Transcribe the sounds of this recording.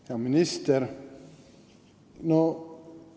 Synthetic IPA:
jɑmɪnɪst̪əɾ | no

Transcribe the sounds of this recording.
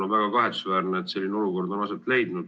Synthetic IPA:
onvæɡ̥ɑkɑɦet̪su̥svæːɾneːt̪se̞lʲːineo̞luko̞rd̪o̞nɑset̪ːˑle̞jd̪nud̪̥

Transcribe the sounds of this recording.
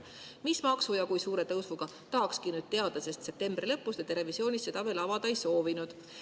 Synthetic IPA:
mismɑksujɑkujsuːɾe̞t̪ɤwsvuɡ̥ɑ | t̪ɑːkskinyd̪̚t̪eɑd̪̥ɑse̞st̪se̞p̚t̪e̞mb̥rilɤpːˑusd̪et̪e̞ɾe̞visio̞ːnisːet̪ɑvelɑvɑd̪̥ɑejso̞ːvinud̪̥

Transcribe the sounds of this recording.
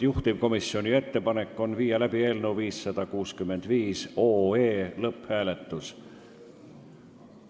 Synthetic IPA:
juht̪ib̥ko̞misio̞nie̞t̪ːe̞pɑne̞kːˑo̞nviːjɑlæb̥ie̞lnuviːsːɑd̪̥ɑkuːskymːe̞nd̪̥viːso̞ːeːlɤpːhæːle̞t̪ːˑus

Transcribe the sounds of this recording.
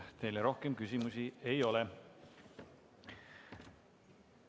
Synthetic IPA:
t̪e̞jleɾo̞hkemkysimusie̞jo̞le

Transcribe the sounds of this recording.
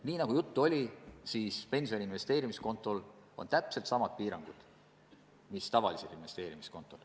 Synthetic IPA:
niːnɑɡ̥ujut̪ːuo̞lʲisiːspe̞nʲsʲio̞ninve̞st̪e̞ːɾimisko̞nt̪ːˑo̞l | o̞̰nt̪æpːse̞lt̪sɑmɑd̪̥̚piːɾɑŋɡ̥ud̪̥ | mist̪ɑvɑ̰lised̪inve̞st̪e̞ːɾimisko̞nt̪ːˑo̞l

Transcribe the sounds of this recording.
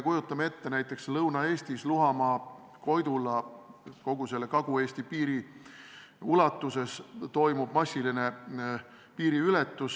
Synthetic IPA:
kujut̪ːˑɑmet̪ːe̞næjt̪ːˑe̞kslɤwnɑe̞ːsʲt̪isluɦɑmɑː | ko̞jd̪ulɑko̞ɡ̥use̞lːekɑɡ̥ue̞ːsʲt̪ipiːɾi | ulɑt̪ːuse̞st̪o̞jmub̥mɑsʲːiline̞ | piːɾiylɛt̪ːus

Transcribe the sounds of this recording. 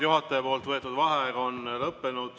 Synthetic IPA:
juɦɑt̪ːˑejpo̞ːlt̪vɤet̪ːˑud̪̥vɑɦeɡ̥ɑonlɤpːe̞nud̪̥

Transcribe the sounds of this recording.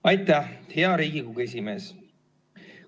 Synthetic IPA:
ɑjt̪ˑːæhheɑɾiːɡikuɡe̞s̬ʲime̞ːs

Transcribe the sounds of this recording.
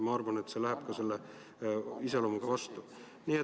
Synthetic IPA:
mɑɑrvɑne̞t̪selæɦæb̥kɑse̞lːe | iselomuɡ̥ɑvɑst̪u | nie

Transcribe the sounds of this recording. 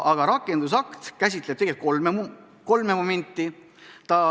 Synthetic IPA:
ʔɑɡ̥ɑɾɑkːˑe̞nd̪us̬ɑkt̪kæs̬ʲit̪le̥t̪eɡ̥et̪̚kolme | ko̞lmemome̞nʲt̪ːˑi | t̪ɑ

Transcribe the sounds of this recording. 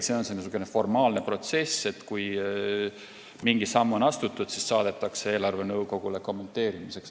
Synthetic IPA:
t̪se̞ːonsenːusukˑːenefo̞rmɑːlne̞pro̞t̪se̞se̞t̪kuj | miŋɡ̥isɑmːuonɑst̪ut̪ːˑud̪̥sissɑːd̪̥e̞t̪ːˑɑksee̞ːlɑrve̞nɤwko̞ɡ̥ule̞ko̞mːe̞nt̪ːˑe̞ːɾimise̞ks

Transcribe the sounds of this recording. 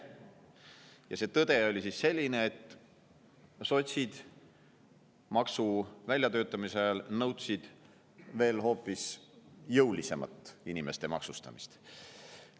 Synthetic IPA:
jɑse̞ːt̪ɤd̪̥e̞o̞lʲisisse̞lʲːine̞ːt̪ː | so̞t̪ʲsʲid̪̥ | mɑksuvælʲjɑt̪ø̞ːt̪ːˑɑmiselnɤwt̪sid̪̥ | ve̞ːlho̞ːpːˑisjɤwlise̞mɑ̰t̪ːˑinimest̪e̞mɑ̰ksust̪ɑ̰mist̪

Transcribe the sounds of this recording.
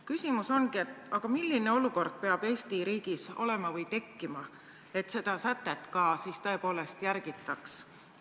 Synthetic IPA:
kysimuso̞nɡiet̪ɑɡ̥ɑmilːineo̞luko̞rd̪̥̚pe̞ɑb̥e̞ːst̪iɾiːɡ̥iso̞̰le̞mɑvɤjt̪e̞kːimɑ | e̞t̪ˑse̞d̪̥ɑsæt̪ːˑe̞t̪ːˑkɑsist̪ɤ̞e̞po̞ːle̞st̪jæɾɡ̥it̪ːˑɑks

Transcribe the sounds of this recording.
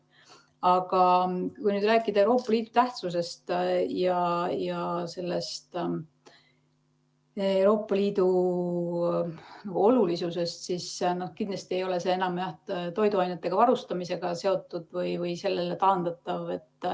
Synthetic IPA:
ɑɡ̥ɑkujnyːd̪ræːkːˑid̪̥ɑe̞wɾo̞ːpˑːɑliːd̪̥ut̪æht̪sus̬e̞st̪jɑjɑse̞lːe̞st̪ | ewɾo̞ːpːˑɑliːd̪̥u | nɑɡ̥uo̞lulisuse̞st̪sisno̞hkind̪lɑst̪ie̞jo̞le̞se̞ːenɑmjæht̪o̞jd̪uɑjnet̪ːˑe̞ɡ̥ɑvɑɾust̪ɑmise̞ɡ̥ɑse̞o̞t̪ːˑud̪̥vɯjvɯjse̞lːe̞le̞t̪ɑːnd̪̥ɑt̪ˑːɑve̞t̪ː

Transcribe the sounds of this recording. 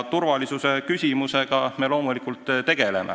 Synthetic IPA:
t̪urvɑlisuse̞kysʲimuse̞ɡ̥ɑme̞lo̞ːmulikult̪ːˑt̪e̞ɡ̥e̞le̞̰mḛ

